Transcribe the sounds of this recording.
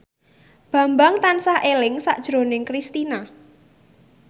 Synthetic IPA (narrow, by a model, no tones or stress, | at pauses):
b̥ä̤mbaŋt̪ansahʔelɪŋsaʔd̥ʒ̥ɾo̤nɪŋkɾist̪ina